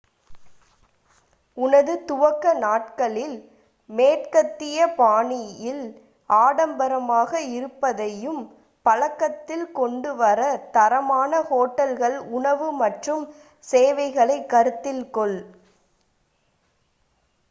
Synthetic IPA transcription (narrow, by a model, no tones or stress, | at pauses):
ʊnɐðɯt̪ʊʋɐkːɐnaːʈ̚kɐɭɪl | meːʈkɐt̪ːɪjɐpaːɳɪjɪl | ʔaːɽɐmbɐɾɐmaːɣɐɪɾɯpːɐðɐjɯm | pɐlɐkːɐt̪ːɪlkɔɳɖɯʋɐɾɐt̪ɐɾɐmaːnɐhoːʈːɐlɣɐɭʊɳɐʋɯmɐʈrɯm | seːʋɐɪɣɐɭɐɪkːɐɾɯt̪ːɪlkɔɭ